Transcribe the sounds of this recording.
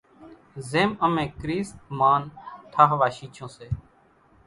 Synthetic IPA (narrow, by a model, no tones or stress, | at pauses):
zeːməmẽːkɾiːst̪maːnʈ̪ʰaːɦʋaːʃiːt͡ʃʰõːseː